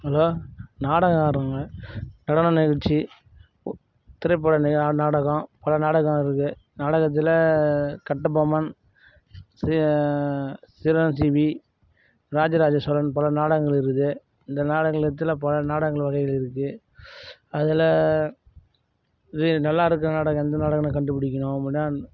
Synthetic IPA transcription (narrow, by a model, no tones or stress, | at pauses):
ɦɐloːnaːɽɐɣɐ̃aːɾaːŋɡɐnɐɽɐnɐnɪɣɐɻt͡ʃi | t̪ɪɾɐɪpːɐɽɐnɪnaːɽɐɣɐ̃pɐlɐnaːɽɐɣɐ̃ɪɾɯkːɯ | naːɽɐɣɐt̪̬ːɪlɐkɐʈːɯbɐmɐn | s | sɪɾɐnsiʋi | ɾaːd͡ʒɐɾaːd͡ʒɐsɔlɐnpɐlɐnaːɽɐɣɐŋɡɐɭɪɾɯnðɯ | ɪnd̪ɐnaːɽɐŋɡɐɭɪɾɯt̪̬ːɯlɐpɐlɐnaːɽɐŋɡɐɭʋɐɣɐɪɣɪlɪɾɯkːɯ | ɐðɪlɐ | ɯnɐlːaːɪɾɯk̬ːɯɾɐnaːɽɐɣɐ̃ɛnd̪ɐnaːɽɐɣɐmɐkɐɳɖɯpːɪɽɪk̬ʲːɐɳõpːɐɽɪnaː